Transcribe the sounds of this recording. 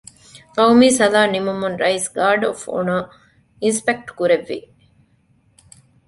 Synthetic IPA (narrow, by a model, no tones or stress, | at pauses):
kɐwmiːsɐlaːnimumunɾɐisɡaːɖofṵna | inspek̚ʈkuɾeʋːḭ